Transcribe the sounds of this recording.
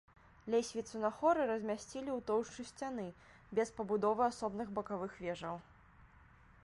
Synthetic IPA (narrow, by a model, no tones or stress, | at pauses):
lʲesʲvʲit̪sɨnɐxɔɾɨɾɐzʲmʲasʲt͡sʲilʲiwt̪ɔwʂt͡ʂɨsʲt͡sʲan̪ɨ | bʲɛspɐbud̪ɔvɨasɔbnɨɣbɐkavɨxvʲɛʐɐw